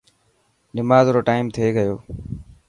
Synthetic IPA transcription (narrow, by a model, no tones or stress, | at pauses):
nɪmaːzɾoːʈaːɪmt̪ʰeːɡəjoː